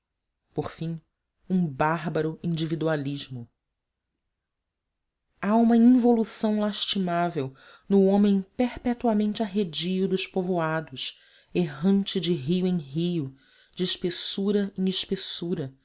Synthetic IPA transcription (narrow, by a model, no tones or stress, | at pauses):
poχfĩŋ̃ | ũbaɦbɐɾʊĩnd͡ʒivid̪ualiʒmʊ | aũmɐĩvolusɐ̃w̃laʃt͡ʃimavew | nʊõmẽj̃pehpɛt̪uamẽnt͡ʃɪaɦed͡ʒiʊd̪ʊʃpovoad̪ʊs | eɦɐ̃nt͡ʃɪd͡ʒɪɦijʊẽj̃ɦijʊ | d͡ʒɪːʃpesuɾɐĩɪʃpesuɾɐ